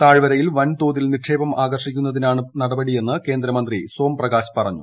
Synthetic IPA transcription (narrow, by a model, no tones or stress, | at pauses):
t̪aːɻʋɐɾɐjilʋɐnt̪o̞ːðilniʈʂe̞ːbɐmʔaːɡɐrʂikʲːunːɐðinaːɳɨnɐɽɐbɐɽije̞nːɨke̞ːnd̪ɾɐmɐnd̪riso̞ːmprɐɡaːɕpɐrɐɲːṵ